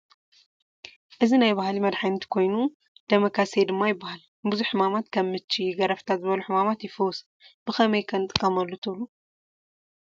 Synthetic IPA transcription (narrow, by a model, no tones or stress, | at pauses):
ʔɨzinajbahalimɐd̪ħajnt̪ʰi̥kʰo̞jnu | d̪̥ɐmɐkʰased̪ɨmːajɪbːahal | bɨzuħːɨmamat̪kʰɐmːɨt͡ʃːijɡɐɾɐft̪ʰat̪zɨβɐluħɨmamat̪jɪfɨws | b̥ɨxɐmɐjkʰɐnɨt̪ʼɨkʼːɐmɐlːot̪ʰɨβlu